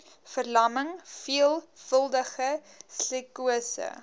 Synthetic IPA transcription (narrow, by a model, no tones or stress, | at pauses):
fərlɐməŋfiəlˠfəlˠdəχə | slikuəsə̰